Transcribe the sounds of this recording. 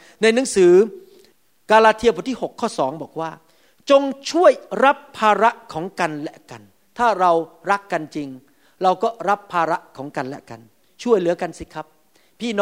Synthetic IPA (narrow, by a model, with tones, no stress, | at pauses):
na˧jnɯ˩˦ŋsɯː˩˦ | kaː˧laː˧t̪ʰi˧ɐpʰːt̪ʰiː˥˩ho˨˩kʰːɔː˥˩sɔ̰ː˩˦ŋbɔː˨˩k̚waː˥˩ | t͡ɕo˧ŋt͡ɕʰu˥˩əjɾa˦˥pʰːaː˧ɾa˦˥ʔkʰɔː˩˦ŋka˧nlɛ˦˩ka˧n | t̪ʰaː˥˩ɾa˧wɾa˦˥kːa˧nt͡ɕi˧ŋ | ɾa˧wkɔː˥˩ɾa˦˥pʰːaː˧ɾa˦˥ʔkʰɔː˩˦ŋka˧nlɛ̰˦˥ka̰˧n | t͡ɕʰu˥˩əjlɯː˨˩˦ɐka˧nsi˦˩kʰa˦˥p̚ʰː | iː˥˩nː˦